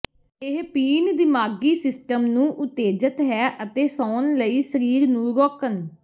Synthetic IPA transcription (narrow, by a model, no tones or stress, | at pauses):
ɪɦpiːnd̪ɪmaːɡiːsɪsʈəmnũːʔʊt̪eːd͡ʒət̪ɦɛːʔət̪eːsɔːnləiːsəɾiːɾnũːɾɔːkən